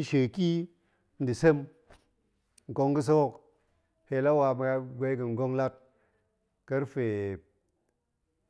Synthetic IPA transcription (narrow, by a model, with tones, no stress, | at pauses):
n̩˦ʃe˨ki˦ | n̩˦di˨se˦m | ŋ˨ko˦ŋkɨ˦s̬o˦wo˦˨k | he˨la˦wa˧mɨ˨a˧ɡe˦kɨ˨ŋ˨ɡo˦ŋla˦t̚ | kə˦ɾfe˨